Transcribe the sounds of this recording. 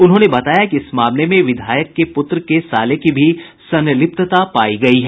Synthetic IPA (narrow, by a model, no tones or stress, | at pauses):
ʊnɦõːnebɐt̪aːjakiɪsmaːmnemẽʋɪd̪ʱaːjəkːepʊt̪ɾəkesaːlekibʱisɐ̃njəlɪp̚t̪ət̪apaːiɡɐiɦɛː